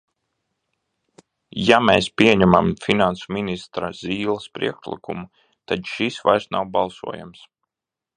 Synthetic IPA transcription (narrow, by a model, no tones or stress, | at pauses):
jameːspʲiɛɲæmamfinansuminist̪ɾaz̥iːlˠɐspɾḭɛkʃlˠḭkumu | t̪adʃisva̰jɾsna̰wbɑlˠsṵɔja̰ms